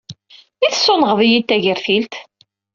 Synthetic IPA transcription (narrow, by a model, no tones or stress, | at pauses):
iθsːʊnəʁðijit̪ːæʝəɾθilt̪